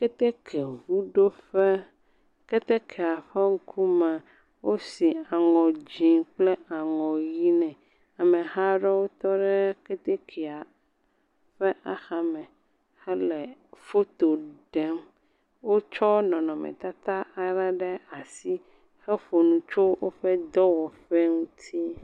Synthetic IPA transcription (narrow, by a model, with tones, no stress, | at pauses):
kɛ˦t̪e˦kʰe˨ɦu˦ɖo˦ɸɛ˦ | kɛ˦t̪ɛ˦kʰɛ˨a˨ɸɛ˦ŋ̩˦kʰu˦mɛ̃˨ | wʔo˦si˨a˨ŋɔ̃˨d͡ʑi˨k͡plɛ˦a˨ŋɔ̃˨ji˦nɛ̃˨ | a˨mɛ̃˨ɦa˦ɖɛ˦wo˦t̪ɔ˦ɖɛ˦ke˦t̪e˦kʰe˨a˨ | ɸɛ˦ʔa˨xa˦mɛ̃˨ | xɛ˦lɛ˨fo˦t̪o˨ɖɛ˦m | wo˦t͡ʃɔ˦nɔ̃˨nɔ̃˨mɛ̰̃˨t̪a˦t̪a˦a˦ɾa˦ɖɛ˦a˨si˦ | xɛ˦ɸo˨nũ˨t͡ʃo˦wo˦ɸɛ˦d̪ɔ˦wɔ˨ɸɛ˦ŋũ˦t̪ʰi˦